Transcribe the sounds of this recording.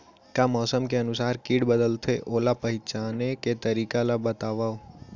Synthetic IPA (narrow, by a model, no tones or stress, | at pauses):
kamɔːsəmkeənusaɾkiɽbəd̪əlt̪ʰeʔolapəɦit͡ʃaneket̪əɾikalabət̪aʋaʋ